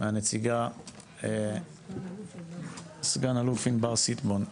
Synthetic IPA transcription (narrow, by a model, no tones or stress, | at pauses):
meanet͡siɡa | sɡanalufinbaʁsit̪bon